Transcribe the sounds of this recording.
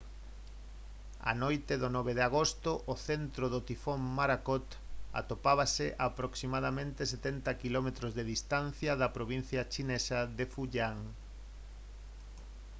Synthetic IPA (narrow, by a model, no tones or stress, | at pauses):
a̰nojt̪eðonɔβeð̞aɣost̪ʊʔoθent̪ɾoðot̪ifommaɾakɔt̪ | a̰t̪opaβaseʔapɾoksimaðamẽnt̪es̬et̪ɛnt̪ɐkilɔmet̪ɾozðeðist̪an̟θjɐðɐpɾoβin̟θjɐt͡ʃinesɐðefuʎaŋ